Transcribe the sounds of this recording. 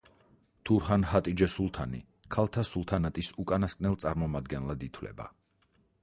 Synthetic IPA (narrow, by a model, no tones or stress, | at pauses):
t̪ʰuɾɦanhat̪ʼid͡ʒɛsulˠt̪ʰanḭ | kʰalˠt̪ʰasulˠt̪ʰanat̪ʼisukʼanaskʼnɛlˠt̪sʼaɾmɔmad̪ɡɛnlˠad̪it̪ʰwlɛ̰ba̰